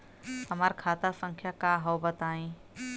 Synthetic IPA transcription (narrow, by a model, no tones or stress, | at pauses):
həmaːɾkʰaːt̪asə̃ŋkʰjakaɦəwbət̪aːĩː